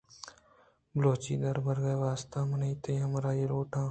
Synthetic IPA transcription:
bloːt͡ʃḭːd̪əɾbəɾɡeːʋaːst̪ãːmənɐiːt̪əjɐ̃mɾaːjeːloːʈãː

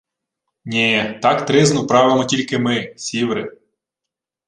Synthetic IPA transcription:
nʲet̪ɑkt̪ɾɪznʊpɾɑʋɪmɔtʲilʲkɪmɪsʲiʋɾɪ

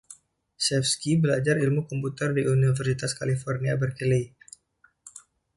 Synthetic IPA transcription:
sɛfskibəlad͡ʒarilmukɔmput̪ərdiunifərsit̪askalifɔrniabərkili

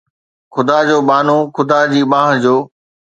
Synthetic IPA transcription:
xʊd̪aːd͡ʑoːɓaːn̤õːxʊd̪aːd͡ʑiːɓãːɦə̃d͡ʑoː

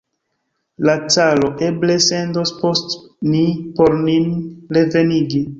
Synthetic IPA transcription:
lat͡salo̞ʔe̞ble̞se̞ndospo̞stnipoɾninɾe̞ve̞niɡi

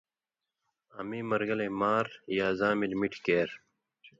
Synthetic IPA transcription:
ɐ̰miːmɐɾɡɐlemaːɾjaːzaːmilmiʈʰkeːɾ

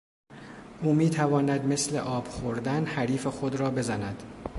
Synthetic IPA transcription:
ʔuːmiːt̪ʰævɒːnæd̪me̞sle̞̰ʔɒːb̥xoɾd̪ænhæɾiːfexod̪ɾɒːbe̞zænæd̪̥

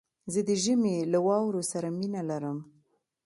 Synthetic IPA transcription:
zəd̪əʒəmelawɑwɾosaɾaminalaɾəm

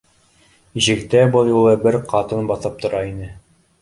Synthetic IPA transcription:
ʑɘ̆kt̪æbɤlˠjulˠɤbɘɾqʰɑt̪ɤnbɑθɤp̚t̪ŏɾɑinɘ

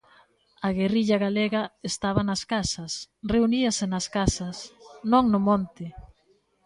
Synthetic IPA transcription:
aɣeriʎaɣaleɣɐest̪aβ̞ɐnɐskasɐsreuniɐsɪnɐskasɐsnõŋnʊmont̪ɪ

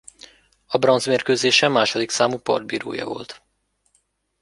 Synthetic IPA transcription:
ɒbrɒnzmeːrkøːzeːʃɛmːaːʃod̪iksaːmuːpɒ̰rd̪biːɾo̰ːjɒ̰vo̞̰lt̪

